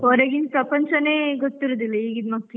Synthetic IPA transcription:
oːɾeɡint̪pɾɐpɐɲt͡ʃɐneːɡot̪ːiɾod̪ilːɐiːɡid̪mɐkt̪

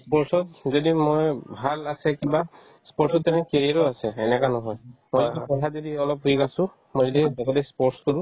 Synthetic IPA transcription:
spɔɹsɔt̚zodimojbʱalasɛkiba | spɔɹʈsɔtːɛnɛkeɹiɹoasɛɛnɛkanɔɦɔjmojzɔiapɔtʰatzodiɔlɔp̚ɦjkasʊ̃ | mojzɔdidɔkʰɔtɛspɔʈskɔɹũ

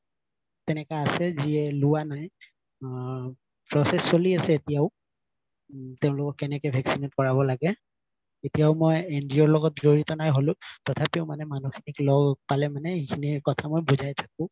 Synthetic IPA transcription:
tɛnɛkaːsɛziɛlʊwanaj | pɹɔsɛsːoliasɛetijaʊ | teʊ̃lʊkɔkːɛnɛkɛbʱɛksinet̚kɔɹabɔlaɡɛ | etijaʊmɔjendiɔɹlɔɡɔt̚zoɹitɔnajɦolʊ̃tɔtʰapiʊmanɛmanuxi̥niklɔɡɡ̚palɛmanɛikʰinikɔtʰamɔjbuzajtʰak̚ʊ̃

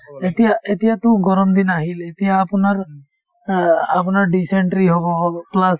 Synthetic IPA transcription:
etijaetijatʊɡɔɹɔmd̪inaɦilet̪ijaːpʊnaɹ | apʊnaɹɖiseɳʈɾiɦoβɔplas

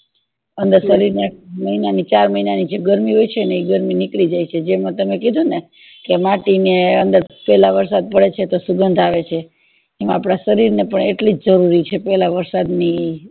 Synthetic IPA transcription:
ənd̪əɾsəɾiɾneməinanit͡ʃaɾməinanid͡ʒeɡəɾmiɦojt͡ʃʰeneiɡəɾminikɭid͡ʒajt͡ʃʰed͡ʒemə̃t̪əmekid̪ʱũne | kemaʈineənd̪əɾpɛlaʋəɾsad̪̚pəɭet͡ʃʰet̪osuɡənd̪ʱaʋet͡ʃʰe | emãapɽ̃asəɾiɾnepəɳeʈlid͡ʒd͡ʒəɾuɾit͡ʃʰepɛlaʋəɾsad̪ni

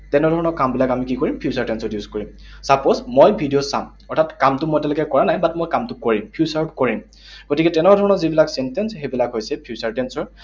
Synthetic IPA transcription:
tɛnɛdʱɔɹɔnɔkambilakamikikɔɹimpʰjusaɹtɛnsɔdijuzkɔɹim | saposmojbʱidijosam | ɔɹtʰatkamtʊmojtɛlɔkɛkɔɹanajbatmojkamtʊkoɹimpʰjusaɹpkoɹim | ɡ̥otikɛtɛnɛdʱɔɹɔnɔzibilaksɛntɛnsxebilakɦojsɛpʰijusaɹtɛnsɔɹ

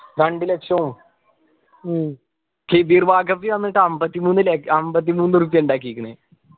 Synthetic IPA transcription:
ɾɐɳɖilekʂɐum | kʰed̪iːrʋaːɡɐpɾiʋɐnːiʈːɨɐmbɐt̪ːimuːnːɨlekɐmbɐt̪̬ːimuːnːɨruːp̬ːjɐuɳɖaːkːijikʲːunːe

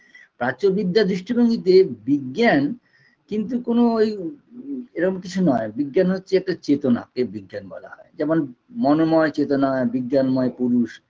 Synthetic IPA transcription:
pɾat͡ɕoɾbid̪ːad̪ɾiʃʈibʱoŋɡit̪̬ebiɡːan | kint̪ukonooj | eɾɔkomkit͡ɕʰunɔebiɡːanɦotːɕʰeɛk̚ʈat͡ɕet̪ona̰kebiɡːanbɔ̰la̰ɦɔ̰ed͡ʑɛmonmɔnomɔet͡ɕet̪onaebiɡːanmɔepuɾuʃ

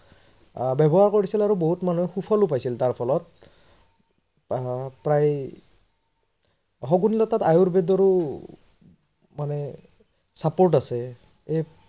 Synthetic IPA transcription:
bɛbɔɦaɹkoɹisilaɹuboɦutmanuɛxupʰɔlupajsiltaɹpʰɔlɔt̚ | pɹaj | ɦɔɡunilɔtatajuɹbedɔɹu | manɛ | sapoɹtasɛ | e

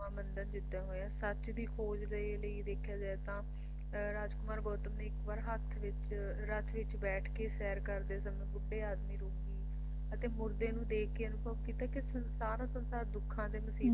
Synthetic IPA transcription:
ãːmənd̪ənd͡ʒɪt̪ːaːɦoːãːsət͡ʃd̪iːkʰoːd͡ʒle | ləiːd̪eːkʰːjaːd͡ʒaːet̪ãː | ɾaːd͡ʒkʊmaːɾɡɔːt̪əmneːɪkʋaːɾɦət̪ʰʋɪt͡ʃ | ɾət̪ʰʋɪt͡ʃbɛːʈʰkeːsɛːɾkəɾd̪eːsəmẽːbʊɖːeːaːd̪miːɾoːkɡiː | ət̪eːmʊɾd̪eːnũːd̪eːkkʰeːənʊ̃ːbəbkiːt̪aːkɪsənsaːɾãːsənsaːɾd̪ʊkʰːãːd̪eːməsiː

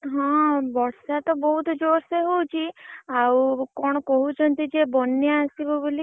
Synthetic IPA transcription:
ɦɔ̃bɔɽsat̪ɔbɔɦut̪ʰd͡ʒoɾseɦowt͡ʃʰiawkɔɽ̃ɔkɔɦut͡ʃʰɔnt̪id͡ʒebɔnːjaːsibɔboli

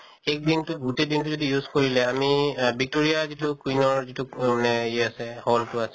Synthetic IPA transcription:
ek̚dintʊbʱutɛdintuzodijuzkoɹilɛamibik̚toɹijazitʊkinɔɹzitʊmanɛɛasɛhɔltʊasɛ

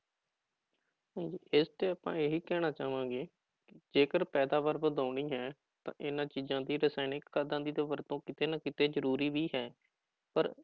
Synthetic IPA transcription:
sãːd͡ʒiːʔɪst̪eːəpã̰ːeːɦiːkɛːñaːt͡ʃaːʋãːɡeː | kɪd͡ʒeːkəɾpɛːd̪aːbəɾbəd̪aːɳiːɦɛː | t̪ã̰ːʔɪnãːt͡ʃiːzãːd̪iːɾəsɛːnɪkkʰːaːd̪ãːd̪iːd̪eːʋəɾt̪õːkɪt̪eːnəkɪt̪eːzəɾuːɾiːʋiːɦɛː | pə̰ɾ

